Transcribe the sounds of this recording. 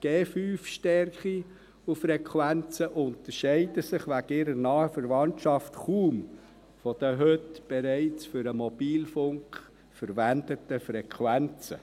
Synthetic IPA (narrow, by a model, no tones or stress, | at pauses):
ɡ̥eːfyːfʃtɛɾχi | ufɾɛkχwænt͡səʔʊnt̪əɾʃɛɪdəsɪχʋæɡɪɾəɾnɑːəfəɾvɑntʃɑftχuːm | fɔd̥̪əɦøtb̥ɛɾɛɪt͡sfʏɾəmɔb̥iːlfʊŋk | fəɾʋændətəfɾɛkʰχwænt͡sə̰